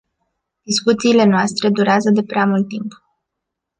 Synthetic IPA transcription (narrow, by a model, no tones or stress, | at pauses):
d̪̥iskut̪siːle̞noast̪ɾe̞d̪uɾeazəd̪e̞pɾeamult̪ːimp